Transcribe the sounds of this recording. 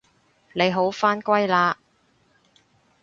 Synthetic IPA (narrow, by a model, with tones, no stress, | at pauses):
ne˨˧jɦo˨˥wfaː˥nkʷɐ˥jlaː˧